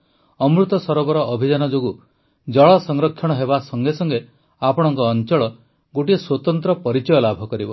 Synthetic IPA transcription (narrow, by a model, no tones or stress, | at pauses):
ɔmɾut̪ɔsɔɾɔbɔɾɔːbʱid͡ʒanɔd͡ʒoɡu | d͡ʒɔɭɔsɔŋɾɔkʰjɔɽ̃ɔɦebasɔŋɡesɔŋɡe | apɔɽ̃ɔŋkɔːnt͡ʃɔɭɔ | ɡoʈieswɔt̪ɔnt̪ɾɔpɔɾit͡ʃɔjɔlabʱɔkɔɾibɔ